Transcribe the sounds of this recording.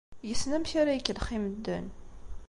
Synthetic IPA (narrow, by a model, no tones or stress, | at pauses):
jəsnæmçaɾajəkːəlχiməd̪ːə̰n